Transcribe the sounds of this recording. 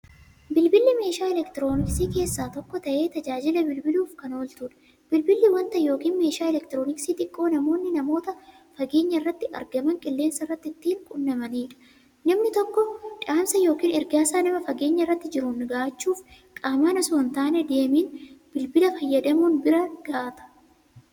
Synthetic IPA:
bɪlbɪlːɪme̞ːʃaːɛlɛkt̪ɪɾo̞ːnɪksiːke̞ːsːaːt̪ɔkːɔt̪ɐʔe̞ːt̪ɐd͡ʒaːd͡ʒɪlɐbɪlbɪluːfkɐno̞ːlt̪uːᶑɐ̥ | b̥ɪlbɪlːɪwɐnt̪ɐjoːkiːnme̞ːʃaːɪlɛkt̪ɪɾoːnɪksiːt̪ʼɪkʼːo̞ːnɐmo̞ːnːɪnɐmo̞ːt̪ɐ | fɐɡe̞ːɲːɐɪrːɐt̪ːɪʔɐ̰ɾɡɐmɐŋkʼɪlːe̞ːnsɐrːɐt̪ːɪt̪ːiːŋkʼʊnːɐmɐniːᶑɐ̥ | nɐmnɪt̪ɔkːɔᶑaːmsɐjo̞ːkiːnɛɾɡaːsaːnɐmɐfɐɡe̞ːɲːɐɪrːɐt̪ːɪd͡ʒɪɾʊnɡaːt͡ʃːuːf | kʼaːmaːnɐsʊnt̪aːnɛd̪eːmiːnb̥ɪlbɪlɐfɐjːɐd̪ɐmunbɪɾɐɡ̥aːt̪ɐ̥

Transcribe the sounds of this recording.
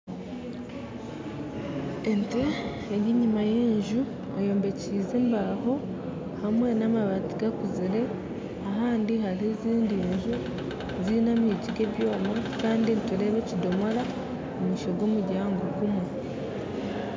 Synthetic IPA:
ente | eɡiɲimaje̞ːɲʒu | ejo̞ːmbe̞ciːze̞mbaho̞ | hamwe̞namaβatiɡakuziɾe̞ | aɦaːndiɦaɾiziːndiɲʒu | zinamiciɡe̞βjo̞ːmakaːndinteɾeːβecido̞moɾa | omuʃoɡwo̞ːmuɟaːŋɡoɡumwe

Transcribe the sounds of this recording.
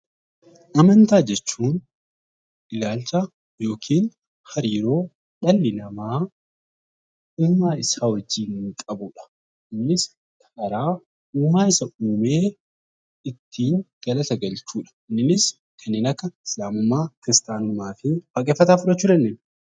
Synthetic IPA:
ʔɐmɐnt̪aːd͡ʒɛt͡ʃːuːn | ʔɪlaːlt͡ʃa | jo̞ːkʰiːn | hɐɾiːɾo̞ː | ᶑɐlːɪnɐmaː | uːmaːɪsaːwɐd͡ʒːiːŋkʼɐbʊᶑɐ̥ | ɪnːɪs | kʰʼɐkɐɾaː | uːmaːɪsɐuːmeː | ɪt̪ʰːiːŋɡ̥ɐlɐt̪ɐɡɐlt͡ʃuːᶑɐ̥ɪnːɪnɪs | kʰɐnːɪnɐkːɐɪslaːmʊmːaːkɪɾɪst̪aːnʊlmaːfɪbɐkʼeːfːɐt̪aːfʊᶑɐt͡ʃːuːɾɛnːɪn

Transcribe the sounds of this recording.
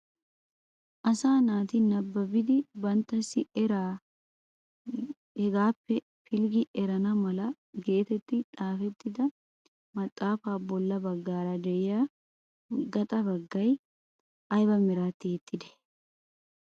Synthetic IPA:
ʔɐsaːnaːt̪ɪnɐbːɐbɪd̪ɪbɐnt̪ːɐsɪɾa | ɛɡaːpːɛ | fɪlɡɪʔɛɾɐnɐmɐlɐ | ɡe̞ːt̪ɛt̪ːɪᶑʼaːfɛt̪ːɪd̪ɐ | mɐt̪ʼːaːfaːbɔlːɐbɐɡːaːɾɐd̪ɛjjaː | ɡɐt̪ʼɐbɐɡːɐj | ʔɐjbɐmɛɾaːt̪ːɪɛt̪ʼːɪd̪ɛ̥

